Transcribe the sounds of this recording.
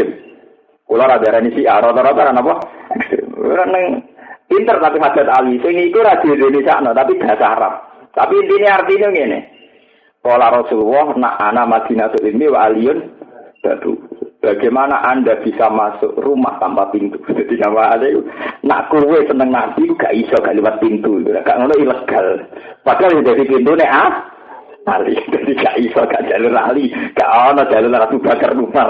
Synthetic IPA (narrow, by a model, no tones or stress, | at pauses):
ɪm | kulɔɾad̪aɾanisiʔaɾɔt̪ɔɾɔt̪ɔɾanapɔhɛkst̪ɾɪ̰m̰ɾnəŋ | pint̪ərt̪apiɦad̪̥a̤t̪̚alisɪŋikuɾad̪̥e̤d̪e̤nisa̰ʔnɔt̪apib̥asaɾa̰ | t̪apiːnt̪iniart̪iniŋenɛ̰ | kolaɾɔsulwɔhna̰ʔanamaɡ̪̥inasoʔimiwaʔalijʊnd̪̥a̤̰d̪̥ṵb̥aɡ̥emanaʔandab̥isamasʊ̰ʔruma̰ht̪ampapint̪u̥d͡ʒ̥ad̪̥iŋamaanakuna̰ʔkuwesənəŋnab̪̥ikuɡ̥aʔisɔɡ̥aʔliwat̪̚pint̪uikṵakaʔŋonɔiləɡ̥alpaɡ̥alnd̪ad̪ipint̪̬unɛah | alḭd̪̥ad̪iɡaʔisɔɡaʔd͡ʒ̥a̤lʊnaliɡ̥aʔɔnɔdd͡ʒ̥a̤lʊnrat̪ub̥akərːuma